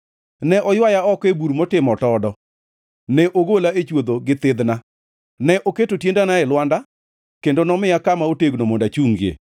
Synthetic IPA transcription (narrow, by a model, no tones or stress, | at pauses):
nɛʔɔjwajaɔkebuɾmotɪmɔtɔdɔ | nɛʔoɡolaet͡ʃwod̪oɡɪt̪ɪd̪na | nɛʔoketotjendanaɛlwanda | kendonɔmɪakamaoteɡnomɔndat͡ʃuŋɡjḛ